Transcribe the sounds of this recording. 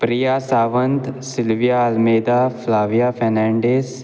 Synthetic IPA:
pɾijaːsaːʋə̃nt̪sɪlʋijaɐlmeːd̪aːfʰlaːʋijaːfʰɛɾnɛ̃ːɳɖeːs

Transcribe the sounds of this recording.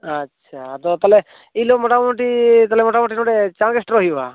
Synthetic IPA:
atːʃʰat̪ɔt̪alɛ | ilomɔʈamoʈit̪alɛmɔʈamɔʈinɔɖet͡ʃãɡesʈɾɔɦiba̰

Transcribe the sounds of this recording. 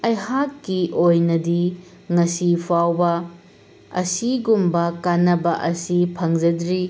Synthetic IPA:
ɐjɦakːiʔojnɐdi | ŋɐsipʰawbɐ | ɐ̰siɡumbɐkanːɐbɐʔɐsipʰɐŋzɐdɾi

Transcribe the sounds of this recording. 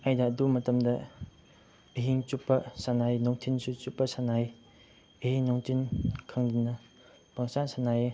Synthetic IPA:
ajdɐːdumɐtɐmdɐ | ɐɦiŋt͡ʃupːɐsanajnɔŋtʰinsut͡ʃupːɐsanaj | ɐɦhiŋnɔŋtʰinkʰɐŋdinɐ | paŋsansanaje

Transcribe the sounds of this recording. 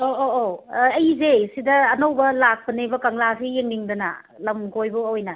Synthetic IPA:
oʔoɐjzesidɐːnowbɐlak̚pɐnebɐkɐŋlasijeŋniŋdɐnɐ̰ | lɐmɡojbɐojnɐ

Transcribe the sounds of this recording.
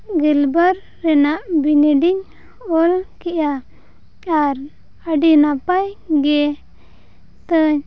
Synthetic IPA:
ɡɛlbəɾːɛnaʔbinɛɖiɲ | ɔlkɛʔja | aɾ | əɖinapajɡɛ | t̪əɲ

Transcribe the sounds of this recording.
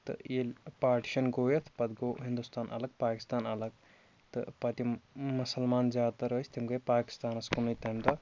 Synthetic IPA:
t̪ɨ̰elʲpaːʈi̥ʃɐnɡoːjɐt̪ʰpɐt̪ɡoːɦind̪ust̪aːnʔɐ̰lɐɡ̚paːki̥st̪aːnɐlɐɡ̚ | t̪ɨ̰pɐt̪imːusɐlmaːnzʲaːt̪ɐɾɐːsʲt̪imɡɐjpaːki̥st̪aːnɐskunɐjt̪ɐmd̪ɐ

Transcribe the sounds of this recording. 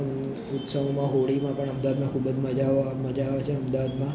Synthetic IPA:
ʊt̪səʋõmãɦoɽimãpəɳəmd̪aʋad̪mãkʰubəd͡zməd͡ʒaʋməd͡ʒaʋat͡ʃʰeəmd̪aʋad̪mã

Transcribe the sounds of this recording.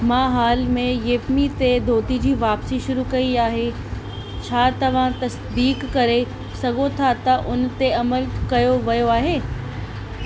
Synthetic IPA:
mãːɦaːlmẽjeːpmit̪ed̪ʱoːt̪id͡ʑiːʋaːpsiʃʊɾukɐiaːɦe | t͡ɕʰaːt̪ɐʋ̤ãt̪ɐs | d̪iːkːɐɾe | sɐɡʱot̪ʰat̪ɐʔʊnt̪eɐməlkɐjoʋɐjoaːɦeː

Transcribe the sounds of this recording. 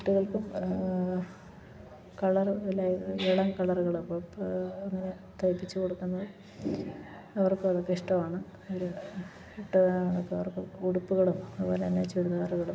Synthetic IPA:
kuʈːuɣɐɭkum | kɐɭɐrɨilːaːjɐðɨeɭɐŋkɐɭɐruɣɐɭupːoːɐŋːɐne̞ | t̪ʰɐjipːit͡ɕːukoɽukːunːɐðɨ | ɐʋɐrkːɨɭɐkːiʂʈɐmaːɳɨ | oɾu | uʈːuaːɳokːeɐʋɐrkɨuɽupːuɣɐɭumɐðubo̞ːleɐnːeːt͡ɕːeɽuðaːruɣɐɭum

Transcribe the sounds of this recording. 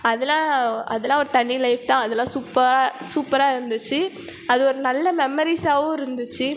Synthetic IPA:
ɐðɛlãːɐ̰ðɛlːãːɔɾɯt̪ɐɳːilɐɪft̪ãːɐðɛlːãːsuːpːɐɾaːsuːpːɐɾaːɪɾɯnd̪ɯt͡ʃːɯ | ɐðɯɔɾɯnɐlːɐmɛmɐɾisaːʋʊ̃ːɪɾɯnd̪ɯt͡ʃːɯ

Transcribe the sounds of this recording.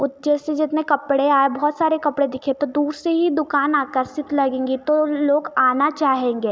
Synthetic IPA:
ʊt̪d͡ʒɛːsed͡ʒɪt̪nẽkɐpɽeaːebɔːt̪saːɾekɐpɽed̪ɪkʰẽt̪od̪uːɾseɦid̪ʊkaːnaːkəɾsɪt̪lɐɡẽːŋɡit̪oloːɡaːnat͡ʃaːɦẽːŋɡeː

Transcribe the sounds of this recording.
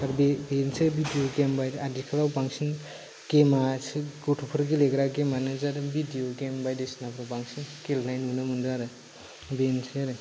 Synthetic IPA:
aɾbbensʰɯbidioɡembajdadikʰalawbaŋsin | ɡemat͡ʃʰɯɡoʈʰupʰɯɾɡileɡɾaɡemanɯzaɾɯbidijoɡembajdesinabɾubaŋsʰinkelajnɦunɯmɯndaɾɯ | bensʰɾɯ

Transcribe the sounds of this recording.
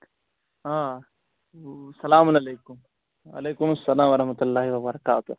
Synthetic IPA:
a | sɐlaːmʊnɐleːkʊm | ɐ̰leːkʊmɐsːɐlaːmwɐɾɐhmɐt̪ʊlːaːɦiwɐbɐɾɐkaːt̪ʊ

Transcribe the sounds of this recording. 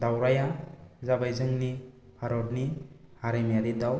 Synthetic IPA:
dawɾajazabajzɯŋni | pʰaɾɔɾnihaɾemijadidaw

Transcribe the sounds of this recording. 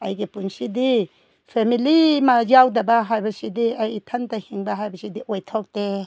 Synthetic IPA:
ajɡepunsidi | pʰemilimazawdabaɦajbɐsidiajtʰantahiŋbaɦajbɐsidiʔɔjtʰɔk̚de

